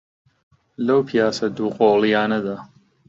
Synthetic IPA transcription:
lɐwpʰijaːsɐd̪uːqʼoːlijaːnɐd̪aː

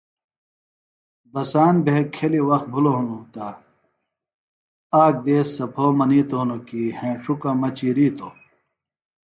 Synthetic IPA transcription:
bɐsaːnbekʰːeliwɐxt̪̚bʱulonũt̪aː | aːk̚d̪eːsːɐpʰoːmɐniːt̪oːnokiːhẽʂukɐmɐt͡ɕiɾiːt̪oː

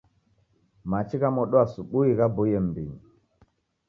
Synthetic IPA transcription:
mat͡ʃikamoɗoasuɓuikabojəmbḭɲ

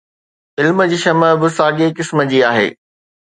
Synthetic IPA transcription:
ɪlmd͡ʑiːʃɐməbɪsaːɡekɪsməd͡ʑiːaːɦḛː

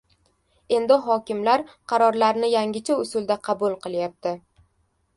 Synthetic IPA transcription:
e̞nd̪ɪɦɒkʲɪmlaɾqʰɑɾɒɾlaɾnɪjaŋʲɪt͡ʃʰaʊsʊld̪aqʰɑbʊlˠqʰɨlˠjap̚t̪ʰɪ

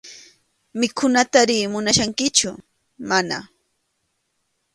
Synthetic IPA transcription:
mɪkʰʊnat̪aɾiːmʊnaʃaŋkɪt͡ʃʊ | mana̰

